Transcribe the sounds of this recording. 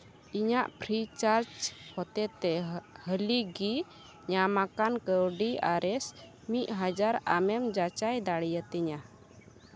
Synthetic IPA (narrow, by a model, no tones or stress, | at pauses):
iɲaʔpʰɾit͡ʃaɾt͡ʃhɔt̪ɛt̪ɛhəliɡi | ɲamakankəwɖiaɾɛs | mit̪̚ˀɦad͡ʒaɾa̰mɛmd͡ʒat͡ʃajd̪aɽijət̪ɛɲa